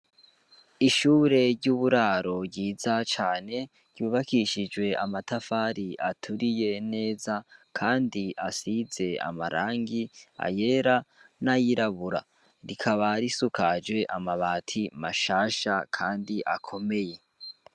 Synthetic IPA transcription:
iʃuːɾe̞ɾɟuβuɾaːɾo̞ɾɟiːzat͡ʃaːne̞̥ | ɟ̥uːβakiʃid͡ʒwe̞amatafaːɾiʔatʰuɾije̞ne̞ːzakʰaːndiʔasize̞a̰maɾa̰ːŋɡia̰je̞ɾanajiɾaβuɾa̰ | ɾikʰaβaɾisukʰad͡ʒɡwe̞ʔamaβaːtʰimaʃaːʃakʰaːndiʔakʰo̞me̞je̞

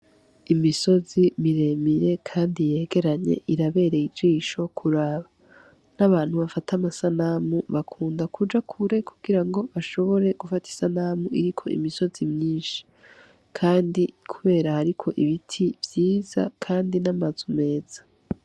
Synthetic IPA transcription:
imiso̞zimiɾe̞miɾe̞kʰaːndije̞ːɡe̞ɾaɲḛʔiɾaβe̞ːɾe̞id͡ʒiːʃo̞kʰuɾaːβa | naβaːn̥huβafatʰamasanamuβakʰuːndakud͡ʒakʰuɾe̞kuɡ̥iɾaŋɡo̞βaʃo̞βo̞ɾe̞ɡ̥ufati̥sanamuiɾikʰo̞̰ʔḭmiso̞zimɲiːnʃi̥ | kʰaːndikʰuβe̞ːɾahaɾikʰo̞ʔiβitʰivjiːza̰kʰaːndinamazume̞ːz̥ḁ

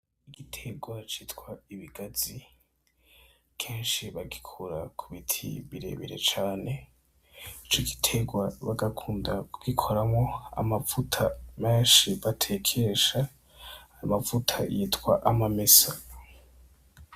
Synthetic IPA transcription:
iɡitʰe̞ɡwat͡ʃiːtkwaiβiɡ̥azi | kʰeːnʃiβaɡikʰuɾakʰuβitʰḭβiɾe̞̰βḛɾe̞̰t͡ʃaːne̞ | it͡ʃoɡi̥tʰe̞ɡwaβaɡakʰuːndakuɡ̥ikʰoɾamŋo̞a̰mafutʰameːnʃiβatʰe̞kʰeʃa | hajimafutʰajiːtwa̰ʔamamesa

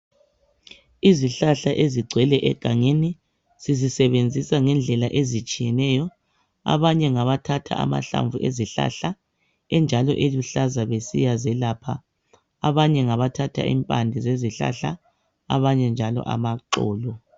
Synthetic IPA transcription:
iziɬaɬaʔeziɡ͡ǀʱwɛlɛʔɛɡ̥ʱaŋeni | z̥izisɛβend͡zʱisaŋɛnd͡ɮʱɛlaʔezit͡ʃʼijɛnɛjɔ | a̰βaɲɛŋaβatʰatʰa̰ʔa̰ma̰ɬa̰ɱvʱuʔḛziɬa̰ɬa | ɛnd͡ʒʱalɔ̰ʔeluɬazaβesijazɛlapʰa̰ | aβaɲɛŋaβatʰatʰa̰ʔḭmpʼandʱizeziɬa̰ɬa | a̰βaɲɛnd͡ʒʱalɔ̰ʔa̰maǃɔ̰ːlɔ

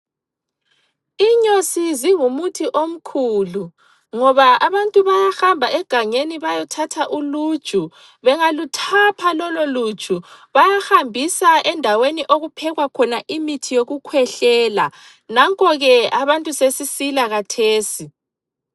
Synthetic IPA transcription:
iɲosiziŋumutʰiʔom̩kʰuːlu | ŋɔβaaβantʼuβajahambʱaʔɛɡ̥ʱaɲeniβajɔtʰatʰaʔulud̥ʒ̥ʱu | βɛŋalutʰapʰalɔlolud̥t͡ʃʼuβajaxambʱisaʔɛndʱaweniʔoɣupʰɛɣwakʰɔnaʔimitʰijoɣukʰwɛɬɛːla | naŋkʼɔɣɛaβantʼusesisilaɣatʰeːsi

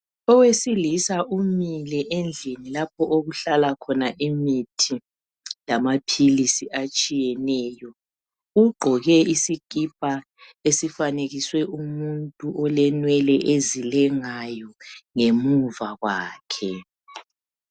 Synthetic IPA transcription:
ɔwesilisaʔumilɛʔend͡ɮʱinilapʰɔʔoɣuɬalakʰɔnaʔimitʰi | lamapʰilisiat͡ʃʼijɛnɛːjɔ | uɡ͡ǃʱɔɣɛisikʼip̚ʼa | esifaneɣiswɛʔumuntʼuʔɔlɛnwɛlɛʔezilɛŋajɔŋemuvaɣwaːkʰɛ

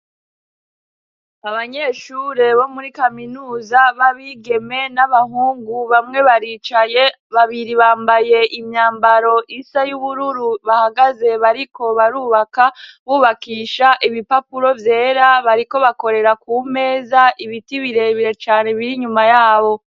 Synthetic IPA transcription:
aβaɲe̞ːʃuɾe̞βo̞muɾikaminuːzaβaβiɡe̞me̞naβaɦuːŋɡuβamŋe̞βaɾiːt͡ʃaje̞ | βaβiɾiβaːmbaje̞ʔimɲaːmbaɾo̞ʔisajuβuɾuɾuβahaɡaze̞βaɾiko̞βaɾuːβakaβuːβakiːʃaʔiβipapuɾo̞vje̞ːɾaβaɾiko̞βako̞ɾe̞ɾakuːme̞ːzaʔiβitiβiɾe̞βiɾe̞t͡ʃaːne̞βiɾiɲumajaːβo̞

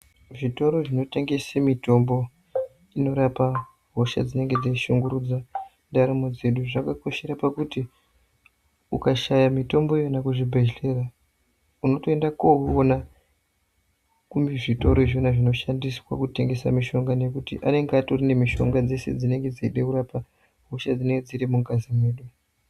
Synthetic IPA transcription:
ʐito̞ɾo̞ʐino̞te̞ŋɡe̞semito̞mbo̞ | ino̞ɾapa | ɦo̞ʃa̰d͡zine̞ŋɡe̞d͡zaʃuŋɡuɾud͡za | ndaɾamod͡ze̞ɗuʐakako̞ʃe̞ɾapakuti | ukaʃajamito̞mbo̞jonakuʐibʱeʒlera | uno̞to̞endakoɦona | kumbiʐito̞ɾoʐonaʐino̞ʃandiswa̰kute̞ŋɡe̞sa̰miʃo̞ŋɡane̞kutḭʔa̰ne̞ŋɡatorine̞miʃo̞̰ŋɡad͡ze̞se̞̰d͡zine̞ŋɡe̞d͡ziiɗekuɾapa | ɦo̞ʃad͡zineŋɡed͡ziɾimuŋɡazimwe̞ːɗu

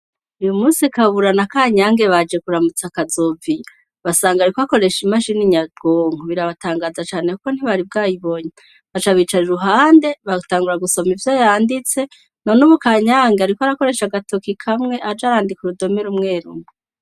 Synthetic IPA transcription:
ujumuːnsikaβuɾanakaːɲaŋɡe̞βad͡ʒe̞kuɾamut͡sakazovi | βasaːŋɡaɾikoako̞ɾe̞ʃimaʃiniɲadɡoŋoβiɾaβataːŋɡaːzat͡ʃaːne̞kuko̞n̥hiβaɾib̚ɡaːjiβo̞ɲe | βat͡ʃaβit͡ʃaʒuɦaːnde̞βataːŋɡuɾaɡusomivjojaːndit͡se̞ | no̞nuβukaːɲaːŋɡeaɾikwaɾako̞ɾe̞ʃaɡatokikʰamŋe̞ʔad͡ʒaɾaːndikuɾudo̞meɾumŋe̞ːɾume

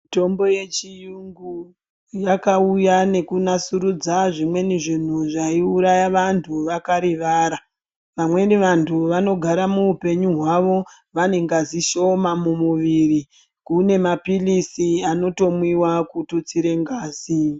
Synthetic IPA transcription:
mito̞mbo̞je̞t͡ʃijuŋɡu | jakaujane̞kunasuɾud͡zaʐimwe̞niʐin̤uʐaiuɾajaʋantʰuʋakaɾiʋaːɾa | ʋamwe̞niʋantʰuʋano̞ɡʱaɾamuupe̞ɲuɦwaʋo̞ | ʋane̞ŋɡaziʃo̞mamumuʋiri | kune̞mapilisiano̞to̞mwiwakutut͡siɾe̞ŋɡaːzi

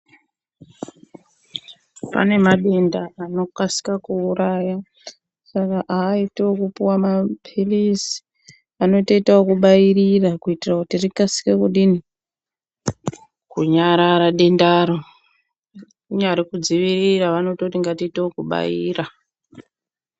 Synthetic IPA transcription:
pa̰ne̞maɗe̞ndaano̞kasi̥kakuːɾaja | sakaʔaːiteokupiwamapʰilisi̥ | ano̞itaitaokuɓajirirakuitirakutirikasi̥kekuɗini | kuɲaɾaɾaɗe̞ndaɾo | uɲaɾikud͡ziʋiriraʋanototiŋɡatiiteokuɓa̰jḭːra

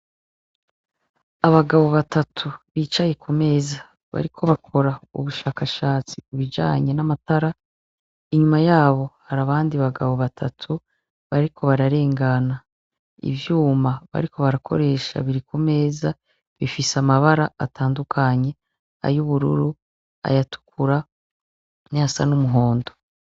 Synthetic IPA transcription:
aβaɡaβoβatatʰuβiːt͡ʃaje̞kume̞ːza | βa̰ɾikʰo̞βakʰo̞ɾaṵβuʃaːkaʃaːt͡sikuβid͡ʒa̰ːɲe̞namataɾa | iɲumajaːβo̞haɾaβaːndiβaɡaβoβatʰatʰu | βaɾikʰo̞βaɾaɾe̞ːŋɡana | ḭvjuːmaβa̰ɾikʰo̞βaɾakʰo̞̰ɾe̞ːʃa̰βiɾikume̞ːza | βifisamaβaɾaatʰaːndukʰaɲe̞ | a̰juβuɾṵɾu | a̰jatu̥kuɾa | niasa̰numuɦo̞ːndo̞

